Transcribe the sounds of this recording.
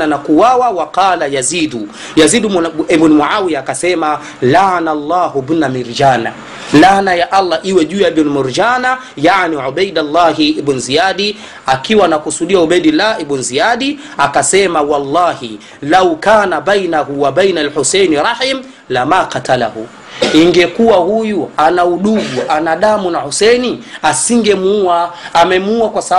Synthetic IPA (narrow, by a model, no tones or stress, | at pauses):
anakuwawawaqɑːlajaziːdu | jaziɗuibnmuʕawiakasɛma | lanalˤːaːɦubnamiɾd͡ʒaːna | lanajaʔalːaʔiwɛʄujaibnmuɾd͡ʒaːna | jaʕniʕuɓajdalˤːaɦiibnzijaɗi | akiwanakusuɗiauɓajdilaibunzijaɗiakasɛmawɑlːɑːhi | lawkaːnaɓajnahuwabajnalħusɛjnɾˤɑħim | lamaqatala̰hṵ | iŋɡɛkuwahujuanauɗuɡuʔanaɗamunahusɛniasiŋɡɛmuuaːmɛmuuakwasa